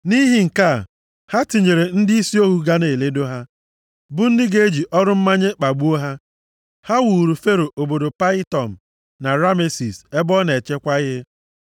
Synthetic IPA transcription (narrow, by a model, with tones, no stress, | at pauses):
ni˦ɦi˦ŋ̩˨ka˦˨ | ha˦ti˨ɲe˨ɾe˨n̩˦dɪ˦i˦si˦o˦ɦu˦ɡa˦ne˨le˦do˦ɦa˦ | bʊ˦n̩˦dɪ˦ɡe˦e˦d͡ʒi˨ʔɔ˦ɾʊ˦m̩˦ma˦ɲe˦k͡pa˨ɡ͡bu˦o˦ɦa˦ | ha˦wu˨ɾu˨fe˦ɾo˨ʔo˨bo˨do˨pa˦ɪ˦tɔ˨m̩˨ | na˨ɾa˦me˦si˨se˦bɔ˦ne˨t͡ʃe˦kʷa˦ɪ˦ɦɪ˦